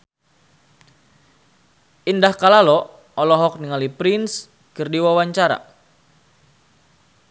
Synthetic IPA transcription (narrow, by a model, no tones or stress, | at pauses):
indahkalalɔ | ɔlɔɦɔk̚niŋalipɾins | kɨrdiwawaɲt͡ʃaɾa̰